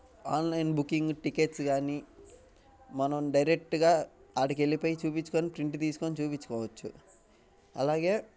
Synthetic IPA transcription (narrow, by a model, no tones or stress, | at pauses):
aːnlɐjnbukːiŋɡʈike̞ːʈsɡaːni | mɐnɐmɖɐjɾe̞k̚ʈɡaːaːɽike̞lipo̞ːjit͡ʃuːpit͡ʃːu̥ko̞ːnipɾiɳʈt̪iːsu̥koːnit͡ʃuːpit͡ʃːu̥kɔːʋɐt͡ʃːṵ | ɐlaːɡe̞ː